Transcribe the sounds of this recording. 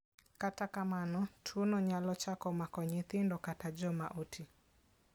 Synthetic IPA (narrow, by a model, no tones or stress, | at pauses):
katakamanɔtʰunɔɲalɔt͡ʃakɔmakɔɲiθindɔkatad͡ʒɔma̰ʔutʰi